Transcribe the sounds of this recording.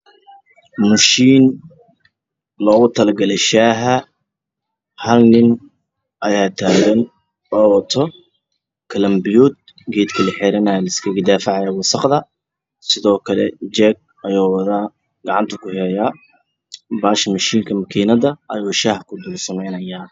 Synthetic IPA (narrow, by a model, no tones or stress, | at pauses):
mɐʃiːn | lɔːɣʊt̪ʰɐlɐɡɐlɛʃaːɦɐ | hɐlnɪn | ʔɐjaːt̪ʰaːɣɐn | ɔːwɐt̪ʰɔ | kʰɐlɐmbɪjuːd̪̚ | ɡɛːd̪kʰɐlɐħɛɾɐnajɐlɐɪskʰɐɡɐd̪aːfɪʕɑjɐwɑsɑqðɐ | sɪðɔːkʰɐlɛ̰d͡ʒɛːɡ̚ | ɐjɔːwɐðaː | ɡ̥ɐʕɑnt̪ʰɐkʰʊhɛːjaː | baːʃmɐʃiːŋkʰɐmɐkʰiːnɐðɐʔɐ̰juːʃaːhkʰʊd̪ʊlsɐmɛjnɐjaː